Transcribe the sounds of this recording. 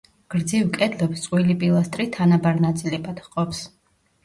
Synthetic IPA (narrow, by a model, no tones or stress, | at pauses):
ɡ̥ɾd̪zivkʼɛd̪lɛpst̪sʼwilipʼilˠast̪ʼɾit̪ʰanabaɾnat̪sʼilɛbad̪qʼɔps